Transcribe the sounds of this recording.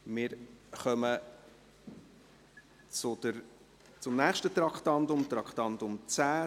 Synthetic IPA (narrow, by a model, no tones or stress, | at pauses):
mɪːɾχœmə | t͡sʊd̪̥əɾ | t͡sʊmnæːχʃtət̪ɾɑkχtɑntʊmt̪ɾɑkχt̪ɑnt̪ʊmt͡sæː